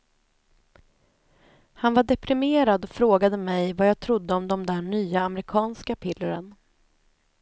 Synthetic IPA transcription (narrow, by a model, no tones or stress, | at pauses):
hanvaɖɛpʰɾɪmeːɾad̪ɔfɾoːɡad̪əmɛjvajɑːɡt̪ʰɾʊd̪ːəɔmd̪ɔmd̪æːɳyːaːmɾɪkʰɑːnskapʰɪlːəɾən